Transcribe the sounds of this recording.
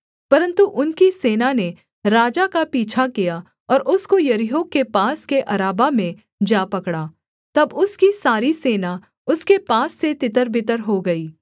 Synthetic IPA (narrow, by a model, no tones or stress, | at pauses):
pɐɾə̃nt̪uʔʊnkiseːnane | ɾaːd͡ʒakapiːt͡ʃʰakija | ɔːɾʔʊskojɐɾɪɦõkepaːskeʔɐɾaːbamẽ | d͡ʒaːpɐkɽaː | t̪ɐbʊskisaːɾiseːna | ʊskepaːsːet̪ɪt̪əɾbɪt̪əɾɦoɡɐiː